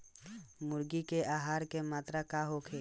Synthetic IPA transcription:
mʊɾɡikeʔaːɦaːɾkemaːt̪ɾakaɦokʰeː

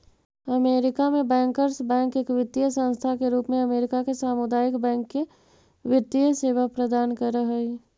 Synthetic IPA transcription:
ɐmeːɾɪkamẽbɛ̃ːŋkəɾsbɛ̃ːŋkeːkʋɪt̪ːijəsə̃nst̪ʰakeɾuːpmẽɐmeːɾɪkakesaːmʊd̪aːjɪkbɛ̃ːŋkːe | ʋɪt̪ːijəseːʋapɾɐd̪aːnkəɾəɦɛi

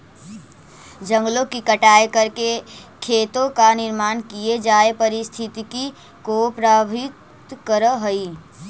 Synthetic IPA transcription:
d͡ʒə̃ŋɡlõkikəʈaekəɾkekʰet̪õkaniɾmaːnkijed͡ʒaepəɾist̪ʰit̪iki | kopɾabʱit̪ | kəɾəɦəi

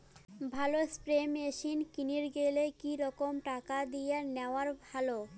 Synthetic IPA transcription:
bʱalospɾemeʃinkiniɾɡelekiɾɔkomʈakad̪ijaneoaɾbʱalo

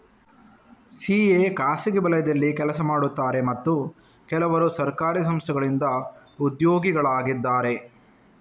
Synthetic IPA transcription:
siːekaːsiɡibɐlɐjɐd̪ɐlːikɛlɐsɐmaːɽut̪ːaːɾe̞mɐt̪ːu | kɛlɐʋɐɾusɐɾkaːɾis̬ɐmst̪ʰɛɡɐɭind̪ɐ | ud̪joːɡiɡɐɭaːɡid̪ːaːɾe̞

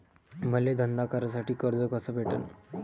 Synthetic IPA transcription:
məled̪ʱənd̪akaɾəs̬aʈiːkəɾd͡zəkəsəbʱeʈə̰n

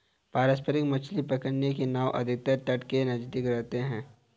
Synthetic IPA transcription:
paːɾəspəɾɪkmɐt͡ʃʰlipɐkəɽnekenaːʋʔɐ̰d̪ʱɪk̚t̪əɾʈ̪ɐʈkenɐd͡ʒd̪ikɾɛɦt̪eɦɛ̃ː

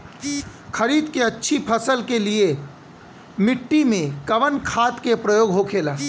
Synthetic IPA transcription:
kʰɐɾiːd̪keɐtːʃʰipʰɐsəlkelie | mɪʈːimẽkɐʋənkʰaːt̪kepɾɐjoːɡɦokʰeːlaː

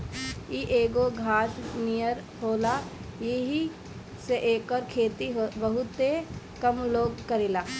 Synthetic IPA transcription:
iʔeːɡoɡʱaːsnijəɾ | hoːlajeɦi | seʔeːkɔːɾkʰeːt̪iɦobəɦʊt̪ːe | kɐmloːɡkəɾeːlaː

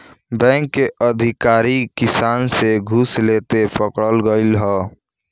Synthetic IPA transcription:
bɛ̃ːŋkːeʔəd̪ʱɪkaːɾikɪsaːnseɡʱuslet̪epəkɽəlɡəɪlɦɔː

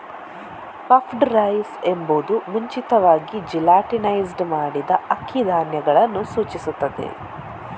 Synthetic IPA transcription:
kɐpʰɖɾɐjsembud̪umuɲt͡ʃit̪ɐʋaːɡid͡ʒilaːʈinɐjsɖmaːɽid̪ɐɐkʰːid̪ʱaːnjɐɡɐɭɐnːusuːt͡ʃisut̪ːɐd̪ḛ

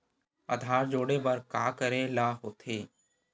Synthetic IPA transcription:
ə̰d̪ʱaːɾd͡ʒoːɽebəɾkaːkəɾelaːɦoːt̪ʰeː

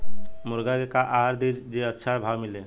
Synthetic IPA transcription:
mʊɾɡakekaʔaɾd̪iɾd͡ʒeətːʃʰabʱawmɪle

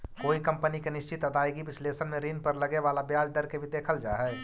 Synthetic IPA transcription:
koːikɐ̃mpənikenɪʃt͡ʃɪt̪ɐd̪aːeɡiʋɪsleːsənmẽɾiːnpɐɾlɐɡeʋaːlabjaːd͡ʒd̪ɐɾkebʱid̪eːkʰəld͡ʒaːɦɛː

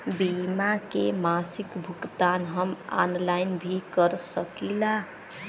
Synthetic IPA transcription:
bimakemasikbʱukt̪anɦəma̰nlajnbʱikəɾsəkila

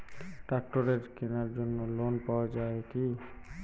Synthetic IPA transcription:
ʈak̚ʈoɾeɾkenaɾd͡ʒonːolonpawad͡ʒaeki

